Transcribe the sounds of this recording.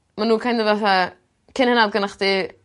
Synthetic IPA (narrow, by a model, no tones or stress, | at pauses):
manuːkʰajndəvaθa | kʰɪnhənadɡənaχdi